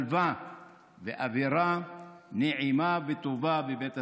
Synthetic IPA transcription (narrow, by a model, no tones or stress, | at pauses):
lva | veʔaviɾaneʕimavet̪ovabebet̪a